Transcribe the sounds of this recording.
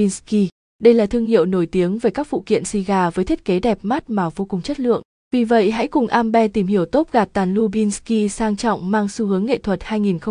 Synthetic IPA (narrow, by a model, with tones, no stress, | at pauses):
i˧nski˧ | ɗə˧jlaː˨˩t̪ʰɨ˧əŋhḭ˧˨əwno˧˩jt̪i˨˦əŋveː˨˩kaː˦˥k̚vṵ˧˨kḭ˧˨ənsi˧ɣaː˧vəː˨˦jt̪ʰt̚ke˨˦ɗɛ˨˩p̚ma˦˥t̚maː˨˩vo˧kʊ˨˩ŋ͡mt͡ɕə˦˥t̚lɨ̰˧˨əŋ | vi˨˩və̰˧˨jɦa̰˧˥kʊ˨˩ŋ͡mʔaː˧mɓɛ˧t̪i˧˩mhi˧˩əwt̪o˦˥p̚ɣaː˨˩p̚t̪aː˨˩nlu˧ɓi˧nski˧saː˧ŋt͡ɕɔ̰˧˨wŋ͡mmaː˧ŋsu˧hɨ˨˦əŋːḛ˧˨t̪ʰwə˨˩t̚haː˧jŋi˨˩nxə˧ŋ͡m